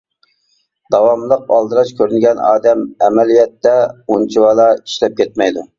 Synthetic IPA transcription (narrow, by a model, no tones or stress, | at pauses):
d̪̥ɑwɑmlˠəq̚ɑlˠd̪ɨɾɑt͡ʃkʲʰøɾynɪɡʲɛnɑ̰ːd̪ɛmɛmɛlijɛt̪ːɛunt͡ʃʰiwɑlˠɑi̥ʃlɛp̚kʲʰɛt̪̚mɛjd̪u